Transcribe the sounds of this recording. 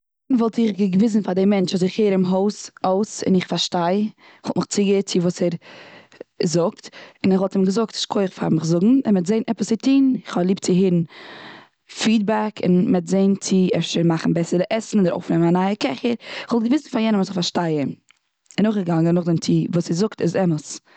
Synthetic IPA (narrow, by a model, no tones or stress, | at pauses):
nvɔlˠtɪχɡəɡəvɪs̬n̩fadɪmɛnt͡ʃɔs̬ɪχheːɾɪmɦoʊsoʊsɪ̰nɪχfaɾʃtaɪ | ɪχhɔlˠtnɪχt͡sɪɡət͡sɪvuːsɛɾ | zʊk̚tɪnɛχvɔlˠtimɡəzʊk̚tɪ̥ʃkʰoɪχfa̰ɾmɪχzʊɡŋ̩ɪmɛtzeɪnɛpəsɪtʰiːnɪχɔlˠiːp̚t͡sɪɦɪɾn̩ | fiːd̚bakɪ̰nmɛtzeɪnt͡sɪɛfʃəɾmaχn̩bɛsədɪʔɛsn̩ɔdəɾo̰ʊfnɛmanaɪəkɛχəɾɪχvɔlˠt̚ɡəvɪsn̩faɾjɛnəmɔtɪχfaɾʃtaɪən | ɪnoʊχɡəɡaŋənʊχdɪmt͡sɪvuːsɛɾzʊktɪzɛməs